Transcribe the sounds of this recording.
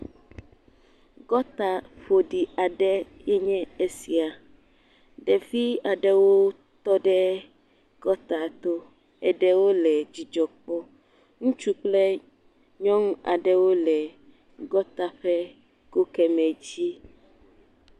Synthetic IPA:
ɡɔ˦t̪a˨ɸo˨ɖi˨a˨ɖɛ˦jɛ˦ɲɛ̃˦e˦si˨a˨ | ɖɛ˨vi˦a˨ɖɛ˦wo˦ | t̪ɔ˦ɖɛ˦ | ɡ̥ɔ˦t̪a˨t̪o˦ | ɛ˨ɖɛ˦wo˦lɛ˨d͡ʑi˨d͡ʒɔ˨k͡pɔ˦ | ŋũ˦t͡ʃu˦k͡plɛ˦ | ɲɔ̃˦ŋ˦a̰˨ɖɛ˦wo˦lɛ˨ | ɡɔ˦t̪a˨ɸɛ˦ | ko˦kɛ˨mɛ̃˨d͡ʑi˦

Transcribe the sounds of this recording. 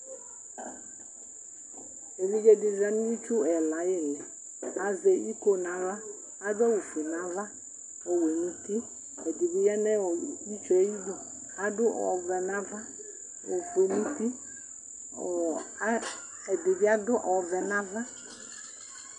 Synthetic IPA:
e˨li˦ɡe˦di˨ɾa˨˦ni˦i˦t͡ʃu˦ɛ˨la˨˦jɪ˦˨lɛ˨ | a˨zɛ˨i˦ko˦na˨va˦ | a˦dɔ˦wu˨fe˨na˨˦va˦ | ɔ˨we˨nũ˦ti˦ | ɛ˨di˨bi˦jɛ˦nɛ˦ɔ˨i˦t͡ʃɛ˨i˦bo˨ | a˦dʊ˦ɔ̰˨vɛ˨na˦va˦ | o˨fe˨nu˦ti˦˨˦ | ɛ˨dɪ˨bi˦a˦dʊ˦ʔɔ˨vɛ˨na˦va˦

